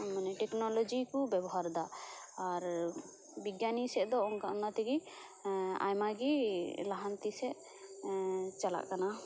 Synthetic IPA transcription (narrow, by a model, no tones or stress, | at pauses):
manɛʈɛknɔlɔd͡ʒikubɛbɔɦaɾd̪aː | ɾ | biɡjanisɛʔd̪ɔɔŋkanat̪ɛɡi | a̰jmaɡilaɦant̪isɛʔ | t͡ʃala̰ʔkana